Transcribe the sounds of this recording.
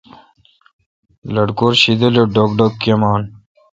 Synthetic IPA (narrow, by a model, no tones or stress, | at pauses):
lɐɽkoːɾɕid̪eloɖokɖokːɐmɑːn